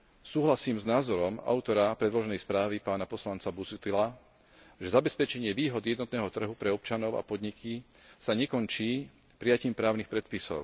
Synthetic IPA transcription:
suːɦlasiːmznaːzɔɾɔma̰ʊt̪ɔɾapɾɛd̪lɔʒɛnɛjspɾaːʋipaːnapɔslant͡sabusut̪ila | ʒɛzabɛspɛt͡ʃɛɲɪɛʋiːɦɔd̪jɛd̪nɔt̪̚nɛːɦɔt̪r̩ɦupɾɛɔpt͡ʃanɔʊa̰pɔd̪ɲikisaɲɛkɔɲt͡ʃiː | pɾijaciːmpɾaːʊnixpɾɛt̪̚pisɔ̰ʊ

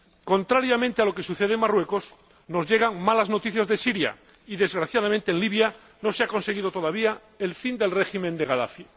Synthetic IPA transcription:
ko̞nt̪ɾaɾjamẽnt̪ealo̞ke̞suθeð̞eŋmarwe̞ko̞s | no̞zʝe̞ɣ̞aŋmalazno̞t̪iθjazðesiɾja̰ | iðe̞zɣɾaθjaðamẽnt̪eːnliβja | no̞seako̞nse̞ɣ̞iðo̞t̪o̞ð̞aβ̞ia | elfind̪e̞lre̞ximẽnd̪eɣaða̰fja

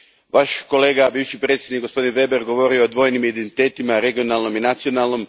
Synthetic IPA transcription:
ʋaʃko̞le̞ːɡabiːʋʃipɾet̪sʲjenikɡo̞spo̞d̪inʋe̞beɾɡo̞ʋo̞ɾioːd̪ʋo̞ːjnimid̪ent̪it̪e̞ːt̪imaɾe̞ɡio̞nalˠno̞minat̪sio̞nalˠno̞m

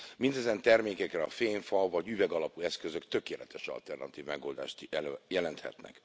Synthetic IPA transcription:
mind̪ɛzɛnt̪ɛrmeːkɛkrɛɒfeːɱfɒvɒɟyvɛɡɒlɒpuɛskø̞zø̞kt̪ø̞keːlɛt̪ɛʃɒ̰lt̪ɛrnɒt̪iːvmɛɡoːld̪a̰ːʃt̪ɛløjɛlɛnt̪hɛ̰t̪nɛ̰k

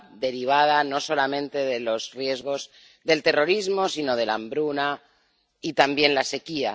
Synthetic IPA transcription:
d̪e̞ɾiβ̞að̞ano̞so̞lamẽ̞nt̪e̞ðe̞lo̞zrje̞zɣo̞z | ðe̞lt̪e̞ro̞ɾizmo̞sino̞ð̞e̞lambɾuna | it̪ambje̞nlase̞kia

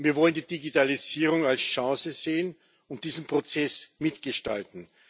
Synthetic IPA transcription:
viːɐvɔləndiːdiɡitaliziːʁʊŋalsʃãːsəzeːən | ʊnt̚d̥iːzn̩pʁ̥ot͡sɛsmɪtɡ̥əʃta̰ltn̩

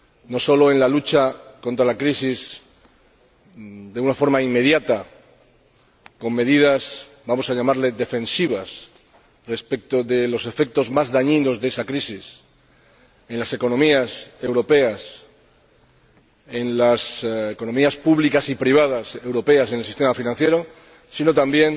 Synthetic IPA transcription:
no̞so̞lo̞e̞nlalut͡ʃako̞nt̪ɾalakɾisis | d̪e̞unafo̞ɾmaimːe̞ð̞jat̪a | ko̞mːe̞ðið̞as | bamo̞saʎamaɾle̞ðe̞fẽ̞nsiβ̞as | re̞spek̚t̪o̞ðe̞lo̞se̞fe̞k̚t̪o̞zmazðaɲĩno̞zðe̞sakɾisis | e̞nlase̞ko̞nõ̞miase̞wɾo̞pe̞as | e̞nlaseko̞nomiaspuβlikasipɾiβ̞að̞ase̞wɾo̞pe̞ase̞nelsist̪e̞mafinãnθje̞ɾo̞ | sino̞t̪ambje̞n

